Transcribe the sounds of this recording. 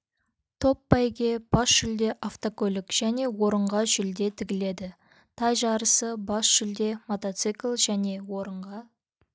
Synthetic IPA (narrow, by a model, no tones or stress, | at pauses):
t̪ʰo̞pːɑjɡʲe̞b̥ɑsʒʏld̪e̞ʔaft̪okɵlɪkʒ̥æne̞wo̞ɾəɴʁɑʒʏld̪e̞t̪ʰɪɡʲɪle̞d̪ɪ | t̪ʰɑjʒɑɾəsəbɑsʒ̥ʏld̪e̞mot̪ot̪sɨklˠʒæne̞wo̞ɾəɴʁɑ